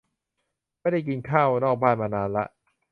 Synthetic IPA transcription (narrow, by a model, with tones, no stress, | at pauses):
ma˥˩jda˥˩jki˧nkʰaː˥˩wnɔː˥˩k̚baː˥˩nmaː˧naː˨˦˥nla̰˦˥ʔ